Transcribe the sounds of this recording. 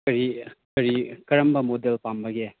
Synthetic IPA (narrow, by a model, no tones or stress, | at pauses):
kɐɾikɐɾikɐɾɐmbɐmodelpambɐɡe